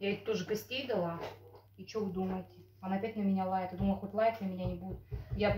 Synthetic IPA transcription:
jaetʲt̪oʐɨɡɐsʲt̪ʲijd̪ɐlˠa | it͡ɕovɨd̪uməjtʲɪ | ɐnaɐpʲætʲnəmʲɪnʲalˠajʲɪt̪jad̪uməlʲˠxotʲlˠajɪt̪ʲnəmʲɪnʲanʲɪbudʲɪt̪ja

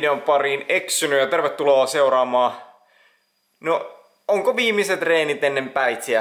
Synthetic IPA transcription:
deompɑriːneksynyjɑt̪erʋet̪ːuloːseurɑːmɑː | no | oŋkoʋiːmiset̪reːnit̪enːempæit̪siæ

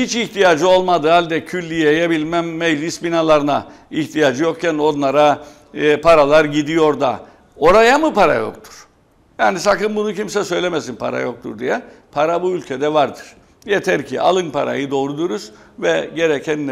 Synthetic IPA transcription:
hit͡ʃiçt̪ʰijaːd͡ʒɯo̞lˠmad̪ɯhalʲd̪ɛcʰylʲːijejebilʲmæmːejlʲisbinalˠaɾɯna̰içt̪ʰijad͡ʒɯjo̞kcʰæno̞nlˠaɾa | pʰaɾalˠaɾɟid̪ijo̞ɾd̪a̰ | o̞ɾajamɯpʰaɾa̰jo̞̰k̚t̪ʰu̥ɾ̥ | jaːnisakɯnbunucimsɛsø̞jlʲemesinpʰa̰ɾa̰jo̞k̚t̪ʰṵɾd̪ijɛpʰaɾabuylʲcʰed̪ɛvaɾd̪ɯɾ̥ | jet̪ʰɛɾcʰḭa̰lˠɯnpʰa̰ɾa̰jɯd̪o̞ːɾud̪uɾuz̥ | vɛɟe̞ɾecʰɛnː

